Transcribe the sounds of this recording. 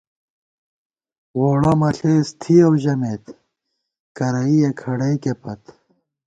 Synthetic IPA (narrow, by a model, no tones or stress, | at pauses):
woːɽɐmɐɬeːst̪ʰiɐwʑɐmeːt̪ | kɐɾɐijekʰɐɽɐjkepɐt̪